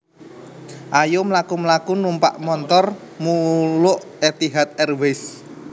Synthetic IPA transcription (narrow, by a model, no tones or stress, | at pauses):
ʔajomlakumlakunumpa̰ʔmɔnt̪ɔr | mulʊʔ | et̪iɦat̪̚ɛrwes